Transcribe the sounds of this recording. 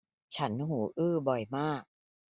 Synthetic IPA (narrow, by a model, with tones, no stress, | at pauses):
t͡ɕʰa˦˥nɦuː˩˦ʔɯː˥˩bɔ˨˩jmaː˥˩k̚